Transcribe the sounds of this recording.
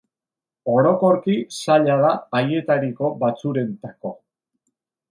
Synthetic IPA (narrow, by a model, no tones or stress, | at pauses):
o̞ɾo̞ko̞ɾkisaʎaðaːje̞t̪aɾiko̞bat͡suɾe̞nt̪ako̞